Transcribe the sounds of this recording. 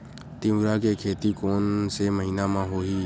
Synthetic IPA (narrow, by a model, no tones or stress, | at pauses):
t̪ɪ̃mɾakekʰeːt̪ikoːnseməɦiːnamãɦoɦi